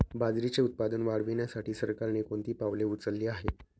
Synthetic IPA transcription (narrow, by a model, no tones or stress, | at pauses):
bad͡zɾit͡seut̪̚pad̪ənʋaɽʋinjasaʈiːsəɾkaɾnekoɳt̪iːpaʋleut͡səlːiːaɦe